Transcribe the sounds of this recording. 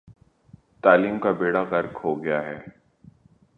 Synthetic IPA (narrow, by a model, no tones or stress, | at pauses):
t̪aːliːmkabeːɽaqɐɾkhoɡɐjaɦɛː